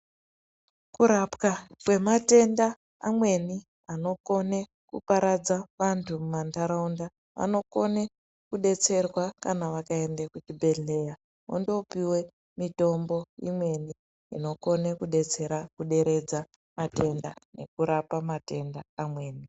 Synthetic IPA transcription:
kuɾapkakwe̞mate̞nda | amwe̞ni | ano̞ko̞ne̞ | kupaɾad͡zaʋantʰumumandaɾaunda | ʋa̰no̞ko̞ne | kuɗe̞t͡se̞rwakanaʋakae̞ndekut͡ʃibʱe̞ɮe̞ja | o̰ndopiwe̞ | mito̞mbo̞ḭmwe̞ni | ḭno̞ko̞nekuɗe̞t͡se̞ɾakuɗe̞ɾe̞d͡za | mate̞nda̰ne̞̰kuɾapamate̞ndaːmwe̞ːni

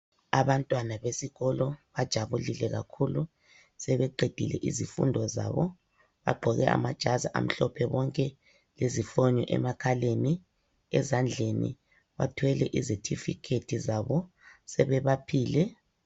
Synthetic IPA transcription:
aβantʼwanaβesiɣɔlɔβad̥ʒ̥ʱaβulilɛɣa̰kʰulu | sɛβɛǃʱed̥ʱilɛ̰ʔizifṵndʱɔza̰βɔ | βa̰ɡ͡ǃʱɔɣɛa̰mad̥ʒ̥ʱazaʔa̰m̩ɬɔpʰɛβɔŋkʼɛ | lezifɔɲɔʔɛ̰makʰaleni | ɛzand͡ɮʱenḭ | βa̰tʰwɛlɛʔizetʰifikʰetʰizaβɔ | sɛβɛβapʰiːlɛ

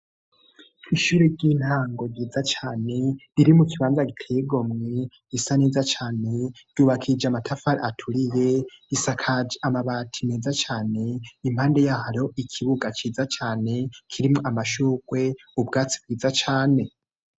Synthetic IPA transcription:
iʃuːɾeɾɟiːn̥haːŋɡo̞ɟiːd͡zat͡ʃaːne̞ɾiɾimukiβaːnzaɡitʰeːɡo̞mŋe̞ | isaneːzat͡ʃaːne̞ɾɟ̥uːβakʰid͡ʒamatʰafaɾ̰atʰuɾijeisakʰad͡ʒamaβatʰimeːzat͡ʃaːne̞imhaːnde̞jahaɾo̞ikʰiβuɡat͡ʃiːzat͡ʃaːne̞kʰiɾimŋoamaʃuːɡwe̞ | ubɡaːt͡si̥b̚ɡiːzat͡ʃaːne̞

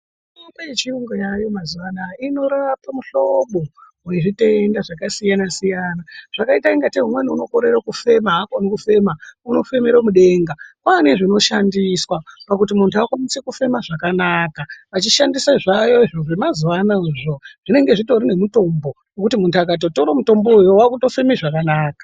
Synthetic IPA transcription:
opeet͡ʃiuŋɡojajo̞mazuʋanaino̞ɾapamuɬoɓoɦueʐitendaʐakasijanasijaːnaʐ̥akaitaiŋɡateɦumweniuno̞ko̞ɾe̞ɾakufe̞maɦakonekufe̞mauno̞fe̞meɾamuɗe̞ːŋɡakwane̞ʐino̞ʃandiswapakutimuntʰuakwamisekufe̞maʐakanaːkaʋat͡ʃiʃandisaʐajo̞iʐoʐemazuʋanauʐo̞ʐ̥ine̞ŋɡe̞ʐito̞ɾine̞muto̞mbo̞ | nokutimuntuak̬at̬o̞toɾomuto̞mboujowakuto̞femeʐakanaːkḁ

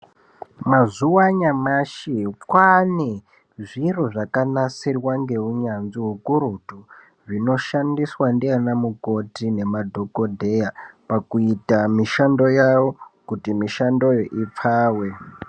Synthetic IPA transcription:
mazuwaɲamaʃikwane | ʐiruʐakanasirwaŋɡe̞uɲanziɦukuɾutu | ʐino̞ʃandiswandianamuko̞tine̞madʱo̞ko̞dʱe̞japakuitamiʃando̞jawo̞kutimiʃando̞joʔip͡faːwe̞

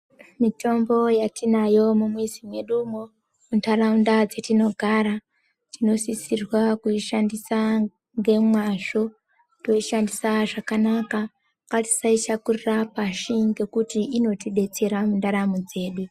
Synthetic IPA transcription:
mito̞mbo̞jatinajo̞mumwisimwe̞ɗumo | muntʰaɾaundad͡ze̞tino̞ɡʱaɾa | t͡ʃino̞sisirwakuiʃandisa | ŋɡe̞mwaʃo̞ | to̞iʃandisaʐakanaka | kati̥sait͡ʃakurirapaʃiŋɡe̞kutiʔino̞tiɗe̞t͡se̞ɾamundaɾamud͡ze̞ːɗu

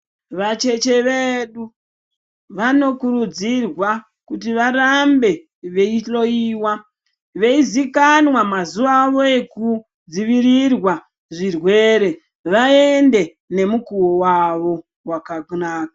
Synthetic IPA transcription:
ʋat͡ʃe̞t͡ʃe̞ʋeɗu | ʋano̞kuɾud͡zirwa | kutiʋaɾambe̞ | ʋe̞iɬo̞iːwa | ʋe̞izikanwamazuʋaʋo̞e̞ku | d͡ziʋirirwa | ʐirwe̞ɾe̞ | ʋae̞nde̞ | ne̞mukuwowaʋo̞ | wakaknaːkḁ

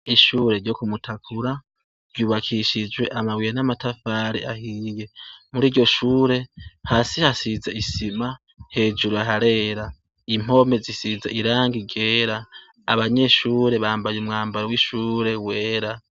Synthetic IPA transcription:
iʃuːɾe̞ɾɟo̞kumutʰakʰuɾa | ɾɟuːβakʰiʃid͡ʒwe̞ʔamawijenamatafaɾḭahije̞muɾiːɾɟo̞ʃuːɾe̞haːsihasizaisima | he̞ːd͡ʒuɾuaɦaɾe̞ːɾa | im̥o̞me̞zisizaʔiɾaːŋɡiɡe̞ːɾa̰ː | βaɲe̞ʃuːɾe̞βaːmbajeumŋaːmbaɾowiʃuːɾe̞we̞ːɾa

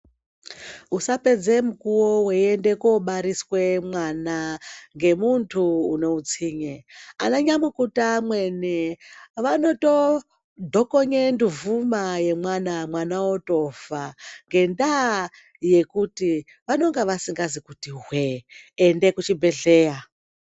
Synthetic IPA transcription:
usape̞d͡ze̞mukuwoweiende̞koɓaɾiswe̞mwanaŋɡe̞muntʰuːne̞ut͡siːɲeanaɲamwukutamweneʋano̞to | dʱo̞koɲenduvumaje̞mwanamwanaoto̞vaŋɡe̞nda | je̞kuti | ʋano̞ŋɡeʋasiŋɡazikutiɦweːnde̞kut͡ʃibʱe̞ɮe̞ːja

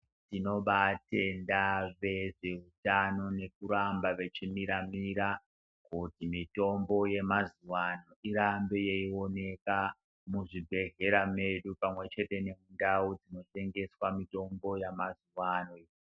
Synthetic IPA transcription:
tino̞ɓate̞ndaʋe̞ʐe̞utano̞ne̞kuɾambaʋe̞t͡ʃimiɾamiɾa | kutimito̞mbo̞je̞mazuwano̞iɾambejeio̞ne̞ka | muʐibʱe̞ɦe̞ɾame̞ɗupamwe̞t͡ʃe̞te̞ne̞mundaud͡zino̞te̞ŋɡe̞swamito̞mbo̞jamazuwanoi

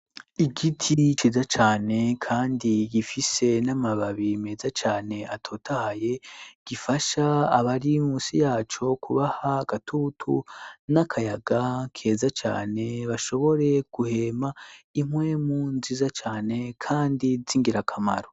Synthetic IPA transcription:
iɡitʰit͡ʃizat͡ʃaːne̞kʰaːndiɡifise̞namaβaβime̞ːzat͡ʃaːne̞atʰoːtʰahaje̞ɡ̥ifaʃaːβaɾimusijaːt͡ʃo̞kʰuβahaɡatʰuːtʰṵnakʰajaɡakʰe̞ːzat͡ʃa̰ːne̞βaʃo̞βo̞ɾe̞ɡ̥uhe̞maimwe̞munzizat͡ʃaːne̞kʰaːndiziŋɡiɾakʰama̰ɾo

